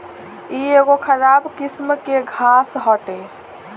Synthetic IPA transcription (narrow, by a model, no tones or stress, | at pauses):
ieɡokʰəɾabkismkeɡʱasɦɔʈe